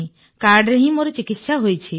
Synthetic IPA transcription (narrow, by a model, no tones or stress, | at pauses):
ĩ | kaɾɖɾeɦĩmoɾɔt͡ʃikit̪ʃaɦojt͡ʃʰi